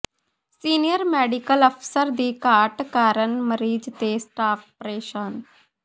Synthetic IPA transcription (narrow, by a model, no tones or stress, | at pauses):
siːnijəɾmɛːɖikələpʰsəɾd̪iːkaːʈkaːɾənməɾiːd͡ʒt̪eːsʈaːp̚ʰpɾeːʃən